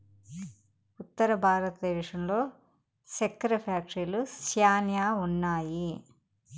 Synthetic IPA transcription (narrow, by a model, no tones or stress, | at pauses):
ut̪ːɐɾɐbʱaːɾɐt̪ɐd̪ɛːʃɐmlo̞ː | sɐkːɐɾɐpʰaːkʂilusjaːnjaːunːaːji